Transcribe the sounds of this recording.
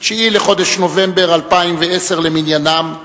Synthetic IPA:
ʃeileχo̞d̪eʃno̞vembe̞ʁalpaimveese̞ʁleminjanam

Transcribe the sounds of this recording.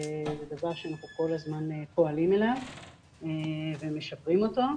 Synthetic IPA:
zedavaʁʃeanaχnuko̞lazmanepo̞alimelav | eveme̞ʃapʁimo̞to

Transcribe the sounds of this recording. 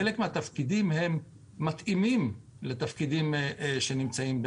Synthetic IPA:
elekmeat̪afkid̪imhe̞mː | at̪ʔimim | let̪afkid̪imʃenimt͡saimb

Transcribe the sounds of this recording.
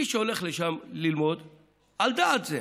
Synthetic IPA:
iʃeoleχleʃamlilmo̞d̪ | ald̪aːt̪ze

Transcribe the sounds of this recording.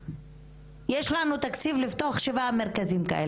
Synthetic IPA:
jeʃlanut̪akt͡sivlivft̪oaχʃevame̞ʁkazimka̰ʔe

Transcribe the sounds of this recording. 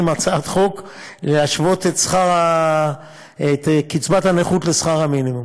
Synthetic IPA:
imat͡saat̪χo̞k | leaʃvo̞t̪et̪sχaʁa | et̪kit͡sbat̪haneχut̪lesχaʁaminimum

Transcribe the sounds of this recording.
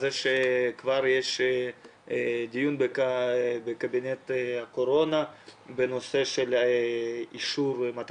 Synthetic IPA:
zeʃekvaɾjeʃ | d̪ijunbekbekabinet̪akoɾonabenoseʃel | iʃuɾmat̪

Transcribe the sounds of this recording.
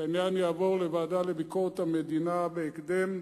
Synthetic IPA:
anjanjaːvoʁlevaːd̪alebikoʁet̪amed̪inabeːkd̪em

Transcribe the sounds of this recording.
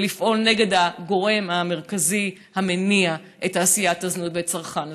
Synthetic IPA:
lifʔo̞lne̞ɡe̞d̪aɡo̞ʁe̞mame̞ʁkazi | hame̞nia | ʔetaːsijat̪ːaznut̪bet͡saʁχan

